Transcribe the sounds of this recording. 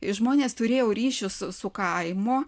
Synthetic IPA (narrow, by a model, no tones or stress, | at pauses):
ɪʒmoːnʲeːst̪ʊɾʲeːjɛʊɾʲiːʃʲʊsʊsʊkɐɪmo